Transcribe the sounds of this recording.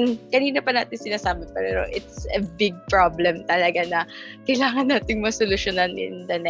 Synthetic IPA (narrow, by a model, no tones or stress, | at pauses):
nkɐniːnɐpɐnaːt̪ɪnsɪnaːsaːbɐpɛɾɛɾo̰ʔɪt̪̚sɛbɪɡ̚pɹablɛmt̪ɐlɐɡanɐkɐjlaːŋɐnːaːt̪ɪŋmɐsolʊʃonɐnɪ̰nd̪ɐnɛ